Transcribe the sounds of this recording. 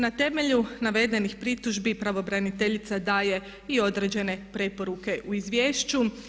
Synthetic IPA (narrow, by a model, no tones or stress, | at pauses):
nat̪e̞me̞ʎunaʋe̞d̪e̞nixpɾit̪uʒbipɾaʋo̞bɾanit̪e̞ʎit̪sad̪aːje̞ | io̞d̪ɾed͡ʑe̞ne̞pɾe̞po̞ɾuke̞ʔuizʋjeːʃt͡ʃu